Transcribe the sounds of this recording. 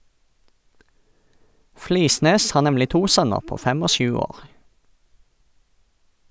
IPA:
ˈfliːˌsneːs ˈhɑː ˈnɛmlɪ ˈtuː ˈsœnəʁ ˈpoː ˈfɛm ˈoː ˈʃʉː ˈoːʁ

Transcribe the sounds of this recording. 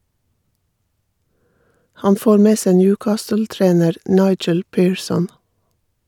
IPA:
ˈhɑn ˈfoːɾ ˈmeː ˈsæ ˈnjʉːˌkɑːstəl̩ˌtɾeːnəɾ ˈnɑɪd͡ʒəl ˈpiːɹˌsɔn

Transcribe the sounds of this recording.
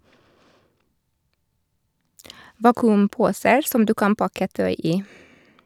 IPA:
ˈʋɑːkʉmˌpuːsəɾ ˈsɔm ˈdʉː ˈkɑn ˈpɑkə ˈtœʏ ˈiː

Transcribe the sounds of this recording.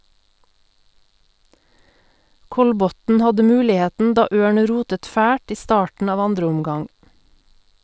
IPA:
ˈkɔlˌbɔtn̩ ˈhɑdə ˈmʉːlɪˌheːtn̩ ˈdɑː ˈøːɳ ˈɾuːtət ˈfæːʈ ˈiː ˈstɑːʈɳ̩ ˈɑːʋ ˈɑndɾəʊmˌɡɑŋ

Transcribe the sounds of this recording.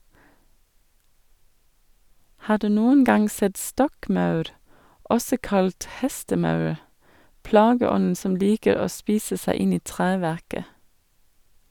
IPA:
ˈhɑː ˈɖʉː ˈnuːən ˈɡɑŋ ˈsɛt ˈstɔkˌmɑʉɾ ˈʔɔsɔ ˈkɑlt ˈhɛstəˌmɑʉɾ ˈplɑːɡəˌɔnn̩ ˈsɔm ˈliːkəɾ ˈoː ˈspiːsə ˈsæɪ ˈɪn ˈiː ˈtʁeːʋæʁkə

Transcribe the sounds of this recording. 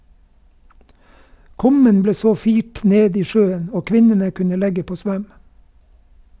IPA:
ˈkʉmən ˈbleː ˈsoː ˈfiːʈ ˈneːd ˈiː ˈʃøːən ˈoː ˈkʋɪnənə ˈkʉnə ˈlɛɡə ˈpoː ˈsʋœm

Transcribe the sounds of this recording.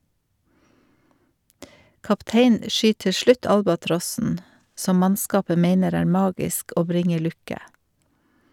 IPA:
kɑpˈteɪnn̩ ə ˈʃʏt ˈtɪ ˈʃɭʉt ˈɑlbɑˌtɾɔsn̩ ˈsɔm ˈmɑnˌskɑːpə ˈmeɪnəɾ ˈæːɾ ˈmɑːɡɪsk ˈoː ˈbɾɪŋə ˈlʉkə

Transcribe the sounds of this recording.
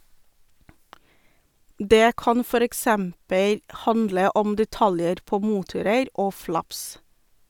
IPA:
ˈdeː ˈkɑn ˈfɔɾ ɛkˈsɛmpəl ˈhɑndlə ˈɔm dɛˈtɑljəɾ ˈpoː ˈmuːtʊɾəɾ ˈoː ˈflɑps

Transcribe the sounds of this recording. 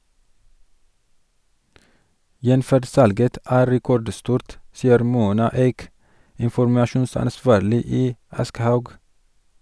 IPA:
ˈjɛnfæɖ ˈsɑlɡət ˈæː ɾɛˈkɔɖˌstuːɾt ˈsiːəɾ ˈmuːnɑ ˈeːk ɪnfɔɾmɑˈʃuːnsɑnˌsʋɑːɾlɪ ˈiː ˈɑskəhɑʉɡ

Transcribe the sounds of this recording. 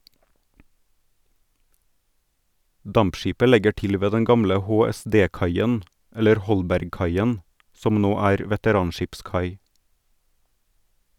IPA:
ˈdɑmpˌʃiːpə ˈlɛɡə ˈʈɪl ˈʋeː ˈdɛn ˈɡɑmlə hoːɛˈsdeːˌkɑɪən ˈɛləɾ ˈhɔlbæɾɡˌkɑɪən ˈsɔm ˈnoː ˈæːɾ ʋɛtəˈɾɑːnˌʃɪpˌskɑɪ

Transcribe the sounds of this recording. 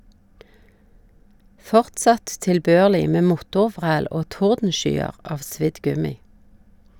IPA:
ˈfɔʁtˌsɑt tɪlˈbøːʁlɪ ˈmeː ˈmʊtʊˌʋʁæːl ˈoː ˈtʊʁdn̩ˌʃyːəʁ ˈɑʋ ˈsʋɪd ˈɡʉmɪ

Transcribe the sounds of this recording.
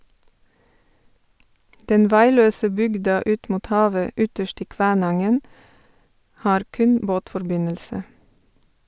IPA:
ˈdɛn ˈʋæɪˌløːsə ˈbʏɡdɑ ˈʉːt ˈmuːt ˈhɑːʋə ˈʏtəʃt ˈiː ˈkʋæːˌnɑŋən ˈhɑːɾ ˈkʉn ˈboːtfɔɾˌbɪnəlsə

